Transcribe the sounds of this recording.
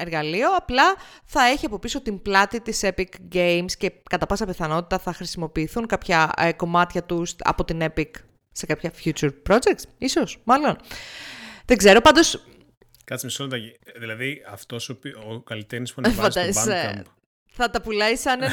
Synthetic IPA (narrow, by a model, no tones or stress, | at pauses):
e̞ɾɣɐlio̞ɐplɐθɐe̞çiɐpo̞piso̞t̪imblɐt̪it̪ise̞pikɡejmsce̞kɐt̪ɐpɐsɐpiθɐno̞t̪i̥t̪ɐθɐxɾisimo̞piːθuŋkɐpçɐeko̞mɐt̪çɐt̪usɐ̰po̞t̪ine̞pik | se̞kɐpçɐfçut͡ʃuɾpɾo̞d͡ʒek̚t̪siso̞smɐlo̞n | ðe̞ɡze̞ɾo̞pɐnd̪os | kɐt̪simisonond̪ɐiðilɐðiɐft̪o̞sopiokɐlit̪eɾnispuɐnfɐd̪ɐzi | θɐt̪ɐpulɐisɐne